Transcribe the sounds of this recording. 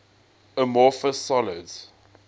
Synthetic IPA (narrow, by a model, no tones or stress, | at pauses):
əmɔːfəsɔlɪd